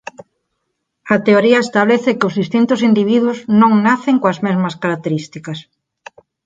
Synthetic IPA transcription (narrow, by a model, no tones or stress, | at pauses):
ɐt̪eoɾiɐest̪aβ̞leθɪkɪʊzðist̪int̪ʊsind̪iβ̞iðwʊznõŋnaθeŋkoɐzmezmɐskaɾak̚t̪eɾist̪ikɐs